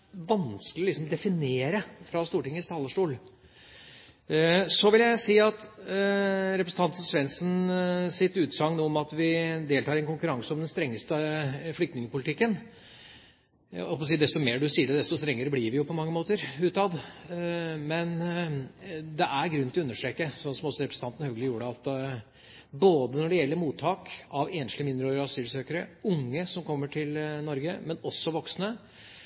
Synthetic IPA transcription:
ʋɑnskəlɪɔlɪksɔmd̪ɛfɪneːɾəfɾɑst̪uːʈɪŋːəst̪ʰɑːlːəʂʈuːl | sɔʋɪljæɪsiːɑt̪ | ɾɛpɾəsn̩ʰɑnt̪sʋɛnsnsɪt̪ʉːt̪sɑŋnuːɔmɑt̪ʋɪd̪eːlt̪ɑːɾɛnkʊŋkʉɾɑŋsəɔmd̪ɛnst̪ɾɛŋːəst̪əflʏk̚t̪nɪŋəpʊlɪt̪ɪkːən | ɔpɑsiːd̪ɛst̪ɔmeːɖʉsiːəɖɛd̪ɛst̪ʊst̪ɾɛŋːəɾəblɪɾʋɪjʊpʰɔmɑŋːəmoːt̪əɾʉːt̪ɑd̪ | mɛn | d̪ɛʔæɾɡɾʉnːt̪ʰɪɔʉnːəʂʈ̪ɾekːəsɔnsɔmɔsɔɾɛpɾəsn̩t̪ɑnt̪ənəhœɡəlɪəjuːəɖəɑt̪ | boːd̪ənɔɖɛjɛlːəɾmuːt̪ʰːɑːkɑʋeːnʂlɪmɪnd̪ɾøːɾəɑsyːlsøːkəɾəʊŋːəsɔmkʰɔmːəʈʰɪlnɔɾɡəmɛnɔsːɔʋɔksnə

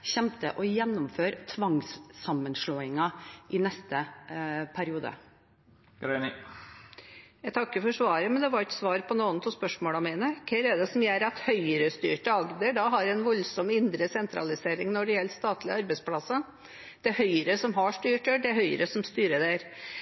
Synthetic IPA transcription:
ɕɛmt̪əʔɔjɛnːɔmføːɾt̪ʰʋɑŋsːɑmːənʂɭoːɪŋɑʔɪnɛst̪ə | pʰæɾɪuːd̪ə̰ | ɡɾɛnɪ | jæt̪ʰɑkːəfɔʂʋɑːɾəmɛnd̪ɛʋɑɾɪkə̥sʋɑːɾpʰɔnoːənt̪ʰuːspœʂmoːlɑmɛɪnəkʰɛɾɛɖ̪ɛsɔmjæɾɑt̪hœʏɾəst̪y̰ːʈəɑɡd̪əɖɑɦɑɾɛnʋɔlsɔmɪnd̪ɾəsɛnt̪ʰɾɑ̰lɪseːɾɪŋnɔɖɛjɛlt̪st̪ɑːt̪ʰlɪɑɾbɛɪspʰlɑsːɑ | d̪̥ɛhœʏɾəsɔmɦɑʂʈyːʈøɖ̪ɛhœʏə̰ɾəsɔmst̪yːɾəd̪æɾ

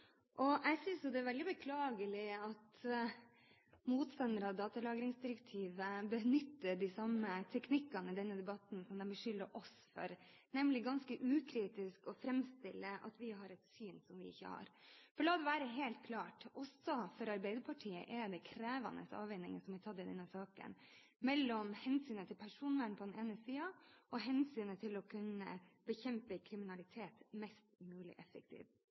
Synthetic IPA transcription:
ʔɔʔɛɡsʏnsjʊd̪ɛːɾʋɛld̪ɪbəkʰlɑːɡəlɪɑt̪ | muːt̪st̪ɑnəɾɑd̪ɑːt̪ɑlɑːɡɾɪŋsd̪ɪɾək̚t̪ʰiːʋəbənʏt̪ːəɖɪsɑmət̪ʰɛknɪkːɑnəɪd̪ɛnːəd̪ɛbɑt̪n̩sɔmd̪ɛnbəʂʏlːəʔɔs | fɔ̰ɾ | nɛmlɪɡɑnskəʔʉːkʰɾiːt̪ɪskɔfɾɛmst̪ɪlːəʔɑ̰t̪ʋɪɦɑɾɛt̪syːnsɔmʋɪɪ̰çːə̰hɑ̰ɾfɔɭɑːd̪ɛʋæːɾəɦeːlt̪̚kʰlɑːʈʔɔsɔfɔɾɑɾbæɪd̪əɾpʰɑʈʰiːə̰ʔɛɾd̪ɛkʰɾæːʋɑ̰nə̰sɑ̰ːʋɛnɪŋə̰sɔmɪt̪ʰɑd̪ːɪd̪ɛnːəsɑːkə̰n | mɛlːɔmhɛnsyːnət̪ʰɪlpʰæʂuːnʋæːɳpʰɔd̪ɛneːnəsiːɑɔɦɛnsyːnət̪ʰɪlɔkʰʉnːə̰b̥əçɛmpəkʰɾɪmɪnɑlɪt̪ʰeːt̪mɛst̪mʉːlɪ̰ʔɛfːək̚t̪ʰḭːʋ

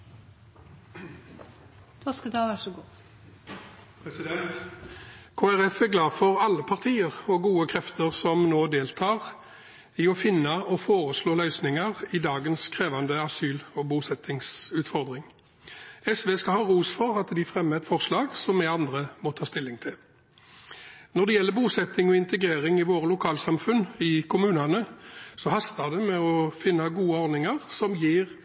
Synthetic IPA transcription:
t̪ɔskəd̪ɑːʋæʂɔɡuː | pɛsɪd̪ɛnt̪ | kʰoːæʁɛfɛɡlɑːfɔʁɑlːəpʰɑʁt̪ʰiːəʁɔɡuːəkʰʁɛft̪əʁsɔmnoːd̪eːlt̪ʰɑːʁ | ɪɔfɪnːəɔfoːʁəsloːlœʏsnɪŋəʁɪd̪ɑːɡənskʰʁeːʋɑnd̪əɑsyːlɔbuːsɛt̪ʰɪŋsʉːt̪fɔʁd̪ʁɪŋ | ɛsʋeːskɑhɑːʁuːsfɔʁɑt̪d̪ɪfʁɛmːəɛt̪fɔʁslɑːɡsɔmɛɑnd̪ʁəmɔt̪ʰɑːst̪ɪlːɪŋt̪ʰɪl | nɔʁd̪ɛjɛlːəbuːsɛt̪ːɪŋɔɪnt̪əɡʁeːʁɪŋɪʋoːʁəlʊkʰɑːlsɑmfʉnɪkʰʊmʉːnɑnəsɔhɑst̪ɑʁd̪ɛmɛɔfɪnːɑɡuːəɔɾd̪nɪŋəʁsɔmjiːʁ

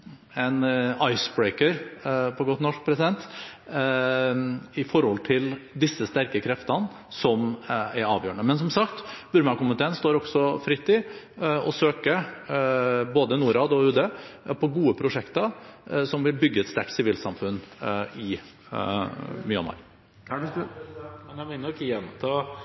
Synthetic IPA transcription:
ɛnɑɪsbɹeɪkəɾpʰɔɡɔt̪nɔʂk̚pʰɾɛsɪd̪ɛnt̪ | ɪfɔɾhɔlt̪ʰɪld̪ɪsːəst̪æɾkəkʰɾɛft̪ən | sɔmæɾɑ̰ːʋjøːəɳəmɛns̬ɔmsɑkt̪b̥ʉɾmɑɾkʊmət̪ʰeːənst̪oːɾɔɡsɔfɾɪt̪ːɪ | ɔ̰søːkə | boːd̪ənuːɾɑːd̪ɔʉːd̪eːpʰɔɡuːəpʰɾʊʂɛkt̪əsɔmʋɪlbʏɡːəɛt̪st̪æʈsɪʋiːlsɑmfʉnɪ | mjɑ̰nʋɑ̰ɾ | ɛnɛmɪnːɔkjɛnt̪ʰ

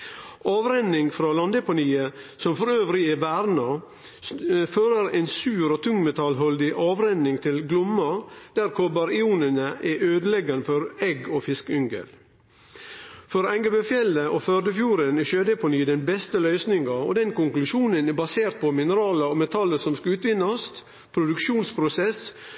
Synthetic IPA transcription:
ɑːʋɾɛnːɪŋfɾɑːlɑnd̪ɛpʊniːəsɔmfɔɾøːʋɾɪəʋæɾnɑ | føːɾəɾɛɪnsʉːɾoːt̪ʰʉŋmɛt̪ʰɑlɦɔld̪ɪʔɑːʋɾɛnːɪŋt̪ʰɪlɡlʊmːɑd̪̥æɾkʰɔbɑɾɪuːnənəʔɛʔøːd̪əlɛɡɑnəfɔɾɛɡoːfɪskʏŋɡə̰l | fɔɾæŋɡəbøfjɛlːəʔoːfød̪əfjuːɾənɛʃøːd̪əpɔniːd̪ɛnbɛst̪əlœʏsnɪŋɡɑɔ̰d̪ɛnkʊŋklʉʃuːnənɛbɑseːɾt̪̚pʰɔmɪnəɾɑːləoːmɛt̪ʰɑləsɔmskɑʉːt̪ʋɪnːɑst̪ | pʰɾʊd̪ʉkʃuːnspʰɾʊsɛs

